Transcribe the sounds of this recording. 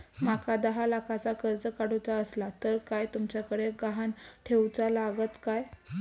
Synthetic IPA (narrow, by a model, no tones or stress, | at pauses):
makʰad̪əɦalakʰat͡sakəɾd͡zəkaɽut͡saəslat̪əɾkajt̪umt͡ɕjakəɽeɡaɦanʈʰewt͡salaɡət̪kaj